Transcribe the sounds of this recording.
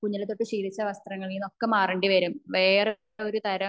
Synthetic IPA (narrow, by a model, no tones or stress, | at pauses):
kuɲːɐlet̪ːo̞ʈːɨɕiːɾit͡ɕːɐʋɐst̪rɐŋːɐɭijuno̞kːemaːreɳɖiʋɐɾumʋeːr | o̞ɾut̪ɐɾɐ